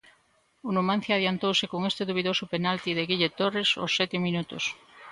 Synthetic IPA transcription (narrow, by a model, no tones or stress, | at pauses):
unomãn̟θjaðjant̪owsekoŋest̪eðoβiðosʊpenalt̪iðeɣiʎet̪oreso̰sːɛt̪emĩnut̪ʊ̰s